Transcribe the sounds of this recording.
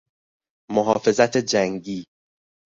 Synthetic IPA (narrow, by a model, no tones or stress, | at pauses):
moɦɒːfe̞zæt̪ʰed͡ʒæŋɟiː